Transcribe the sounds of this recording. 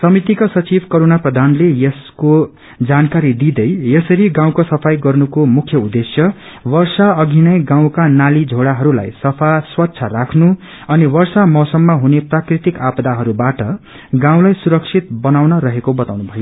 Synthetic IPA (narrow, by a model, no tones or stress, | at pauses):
sʌmit̪ikasʌt͡sibʱkoɾonaprʌd̪ʱanlejʌsko | d͡zankaɾid̪id̪ʌjjʌsʌɾiɡãw̃kosʌpʰajɡʌrnukomukʰjʌud̪ːesjʌ | wʌrsaʌɡʱinʌjɡãw̃kanalid͡zʱoɽaɦʌɾula̰jsʌpʰaswʌtːsʰʌrakʰnu | ʌniwʌrsamʌsʌmːʌɦuneprakrit̪ikapd̪aɦʌɾubaʈʌ | ɡãw̃lajsuɾʌksʰit̪̚bʌnawnʌɾʌɦekobʌt̪awnubʱʌjo